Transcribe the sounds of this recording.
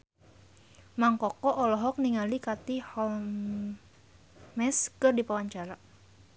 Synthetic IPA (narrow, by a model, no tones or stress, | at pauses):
maŋkɔkɔʔɔlɔɦɔk̚niŋalikat̪ihɔl | mɛskɨrdipawaɲt͡ʃaɾa